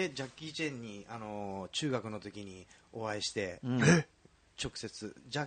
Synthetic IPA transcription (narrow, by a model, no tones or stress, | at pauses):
ed͡ʑakʲːit͡ɕẽɲ̟ːiano̞t͡ɕɨːɡakɯ̟no̞t̪o̞kʲiɲ̟io̞aiɕi̥t̪e̞ | t͡ɕo̞kɯ̟̥se̞t͡sɨ̰d͡ʑa